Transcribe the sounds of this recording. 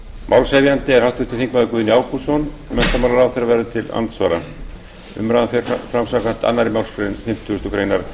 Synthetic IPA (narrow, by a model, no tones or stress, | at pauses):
mʔawlsejvjant̪ɪɛɾ̥hawht̪vɪht̪ʰːɪθiŋkmaðʏkvʏːðɪniaːwkusɔn | mɛn̥t̪amawlaɾawθejɾavɛɾðɪt̪ʰɪla̰nt̪sva̰ːɾa̰ | ʏ̰mɾaðafɪɾ̥fɾamsakan̥t̪a̰nːaɾimawlskɾejnfɪm̥t̪ʰːuʏst̪ɔkʰɾejnaɾ